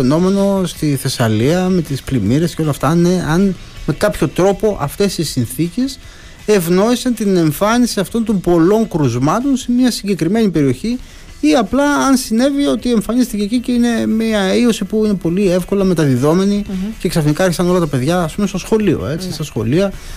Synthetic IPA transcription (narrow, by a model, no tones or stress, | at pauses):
eno̞me̞no̞st̪iθe̞sɐliɐme̞t̪isplimiɾe̞sceo̞lɐft̪ɐneɐn | me̞kɐpço̞t̪ɾo̞po̞ʔɐ̰ft̪e̞sisinθice̞s | e̞vno̞isɐnt̪ine̞ɱfɐnisiɐft̪o̞nt̪o̞mbo̞lo̞ŋkɾuzmɐt̪o̞nsemiɐsiɲɟe̞kɾime̞nipe̞ɾio̞çi | iɐplɐːnsine̞vio̞t̪ie̞ɱfɐnist̪iceːciceine̞miɐiosipuine̞po̞lie̞fko̞lɐme̞t̪ɐðiðo̞me̞nice̞ksɐfnikɐeɾçisɐno̞lɐt̪ɐpe̞ðʝɐːspume̞st̪o̞sxo̞lio̰e̞t͡sist̪ɐsxo̞̰liɐ